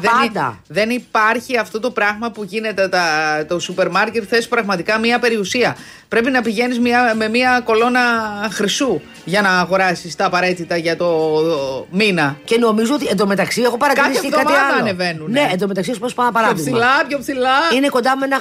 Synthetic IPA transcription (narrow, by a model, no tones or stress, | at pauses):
ðeɐnd̪ɐ̰ðe̞nipɐɾçiɐft̪o̞t̪o̞pɾɐɣmɐpuʝine̞t̪et̪ɐt̪o̞supe̞ɾmɐɾce̞t̪θe̞si̥pɾɐɣmɐt̪ikɐmiɐpe̞ɾiusiɐ | pɾe̞pinɐpiʝe̞nizmiɐme̞miɐko̞lo̞nɐxɾisu | ʝɐnɐːɣo̞ɾɐsist̪ɐːpɐɾe̞t̪it̪ɐʝɐt̪o̞ | minɐceno̞mizuo̞t̪iend̪o̞me̞t̪ɐksieɣo̞pɐɾɐtkisɐt̪okɐmɐiɐɐɐne̞ve̞nunneːnd̪o̞met̪ɐksispspɐnd̪ɐpɐɾɐoðpiɣsilɐpçopsilɐineko̞nd̪ɐmuenɐ